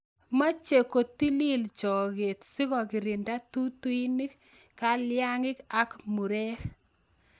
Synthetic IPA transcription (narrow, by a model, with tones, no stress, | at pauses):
ma˦t͡ʃe˨ko˨t̪i˦li˦lt͡ʃɔ˨ɣe˨tsɪ˦kɔ˨kɪ˨ɾɪ˨nda˦tu˦tu˦i˦ni˦k | ka˨lja˦ŋɪ˦ka˦kmu˨ɾɛ˦k